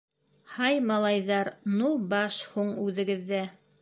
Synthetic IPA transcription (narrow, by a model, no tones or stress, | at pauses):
hɑjmɑlˠɑjðɑɾnubɑʃhuɴʉðɘ̆ɡɘ̆ðːæ